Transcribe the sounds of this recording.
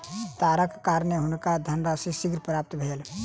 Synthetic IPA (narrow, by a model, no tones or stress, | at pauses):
t̪aːɾəkkaːɾneɦʊnkad̪ʱənɾasisiɡɾpɾaːp̚t̪bʱeːl